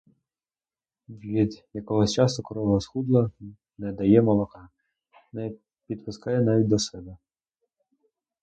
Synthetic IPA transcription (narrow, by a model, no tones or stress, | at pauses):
ʋʲid̪jɐkɔɦɔsʲt͡ʃɑst̪ɔkɔɾɔʋɔɦɔsxud̪lˠɐ | nɛd̪ɐjɛmɔlˠɔkɑ | nɛ | pʲid̪pʊskɑjɛnɑʋʲit̪̚ʲd̪ɔsɛbɛ